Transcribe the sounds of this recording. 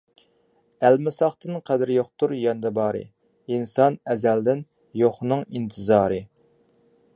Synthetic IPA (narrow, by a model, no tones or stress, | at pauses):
ælmɪsɑχt̪ɨnqʰɛd̪ɪɾjoχt̪ʰuɾjɛnɨd̪ɛbɑːɾɨ̰ | insɑnɛzæld̪ɪn | joχnɨŋint̪ʰɨzɑːɾɨ